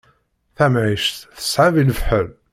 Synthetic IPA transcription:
θæmʕiʃtθə̥sʕaviləfħəl

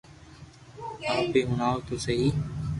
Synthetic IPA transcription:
aːpeːɦʊnaːoːt̪oːsəɦiː

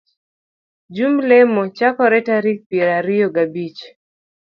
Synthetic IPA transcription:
d͡ʒumlɛmɔt͡ʃakɔɾɛtaɾik̚pɛɾaɾijɔɡabit͡ʃ

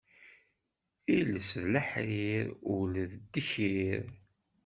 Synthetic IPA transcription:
iləsðləħɾiɾʊlðd̪ːəçiɾ

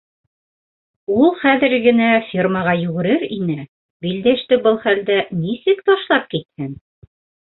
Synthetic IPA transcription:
ulˠχæðɘɾɡɘ̆næfʲirməʁɑjʉɣɘ̆ɾɘɾinɘ | bild̪æʃt̪ɘbɤlˠχæld̪ænisɘkt̪ɑʃlˠɑp̚kit̪̚hɘn

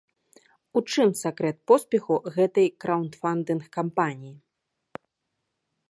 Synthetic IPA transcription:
ut͡ʂɨmsakɾɛt̪̚pɔspʲɛxuɣɛt̪ɐjkɾʔawnt̪fand̪ɨnxkampanʲiji

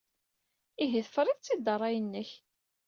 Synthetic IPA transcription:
iɦiθfɾˤɪðˤt͡sːid̪ɑrˤːɑjənːəç

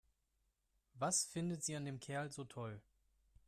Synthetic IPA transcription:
vasfɪndətz̥iːandeːmkʰɛɐlzoːtʰɔl

